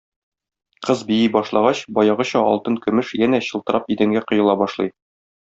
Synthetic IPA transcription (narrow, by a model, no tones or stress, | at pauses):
qɤzbijibɒʃlˠɑʁɑɕbɒjɑʁɤ̆ɕɑʔɒ̰lˠt̪ɤŋkɵ̆mɘʃjænæɕɤ̆lˠt̪ɤ̆ɾɑpid̪æŋɡæqŏjɤ̆lˠɑbɒʃlˠɤ̰j